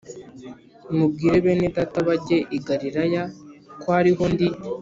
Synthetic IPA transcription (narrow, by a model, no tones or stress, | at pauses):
nimub̚ɡiːɾe̞βe̞ːnetataβaɟe̞ʔiɡaɾiɾajakoaɾiɦo̞ndi